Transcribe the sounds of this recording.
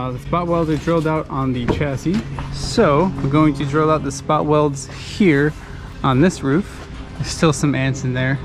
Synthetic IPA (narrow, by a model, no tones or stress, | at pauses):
ðɨspɑt̚wɛlˠdzə˞dɹoʊlˠdaʊɾn̩ðɨt͡ʃʰæsisoʊwəɡoʊɪ̃ŋtʰɨdɹoʊlˠaʊt̪̚ðəspɑʔwɛlˠdz̥ | hiɹ | ə̃nðɪsɹʉf | ðə̥˞stɪlˠsʌ̃mæ̃nsɨ̃n̩ðə˞